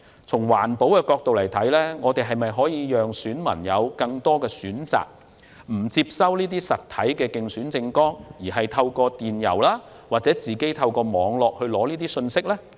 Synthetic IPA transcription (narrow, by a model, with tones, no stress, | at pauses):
t͡sʰʊ˨˩ŋwa̰ː˨˩npo˨˥wkɛː˧kɔː˧k̚t̪o˨wlɐ˨˩jt̪ʰɐ˨˥jlɛː˥ŋɔː˨˧t̪e˨jɦɐ˨jmɐ˨jɦɔː˨˥jiː˨˧jœː˨ŋsyː˨˥nmɐ̰˨˩njɐ̰˨˧wkɐ˧ŋt̪ɔː˥kɛː˧syː˨˥nt͡sa̰ː˨˩k̚ | m̩˨˩t͡siː˧˥p̚sɐ˥wniː˥t̪̬iː˥sɐ˨t̪̚ʰːɐ˨˥jkɛː˧kɪ˧ŋsyː˨˥nt͡sɪ˧ŋkɔː˥ŋjiː˨˩ɦɐ˨jt̪ʰɐ˧wkɔː˧t̪iː˨˩njɐ̰˨˩wlaː˥ | waː˨k̚t͡sɛ˨˥t͡siː˨ke˨˥jt̪ʰɐ˧wkɔː˧mɔː˨˧ŋlɔː˨k̚hɵ˧ɥlɔː˨˥niː˥t̪iː˥sɵ˧nsɪ˥k̚lɛː˥